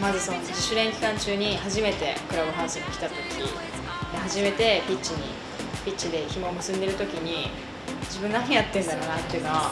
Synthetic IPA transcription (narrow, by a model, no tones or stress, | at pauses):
mazɨso̞noiɕɨɾẽ̞ŋkʲi̥kãɲ̟t͡ɕɨːɲ̟ihaʑime̞t̪e̞̰kɯ̟ɾabɯ̟ɦãːsɨ̃ŋokʲi̥t̪at̪o̞kʲi | d̪eɦaʑime̞t̪e̞pʲitt͡ɕːiɲ̟ḭ | pʲit͡ɕid̪e̞çimo̞mɯ̟sɨ̃nd̪e̞ɾɯ̟t̪o̞kʲiɲ̟i | d͡ʑibɯ̟̃nːaɲʲĩjat̪ːẽnd̪aɾoːnat̪ːeiɯ̟noβa